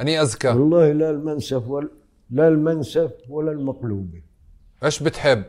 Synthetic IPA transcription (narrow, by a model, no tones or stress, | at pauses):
ʔaniʔazkawɑlˤːɑːhilalmansabwa | lalmansabwalːalmaqluːbi | ʔeːʃbɪt̪ħɪbː